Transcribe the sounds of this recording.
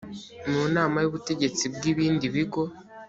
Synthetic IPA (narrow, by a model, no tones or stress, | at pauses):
muːnaːmajuβute̞ɟe̞t͡sibɡiːβiːndiβiɡo̞